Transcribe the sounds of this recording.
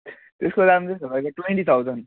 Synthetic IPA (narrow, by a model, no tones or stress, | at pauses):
t̪eskod̪amd͡zesʌbʌjkaʈweɳʈit̪ʰawd͡zʌn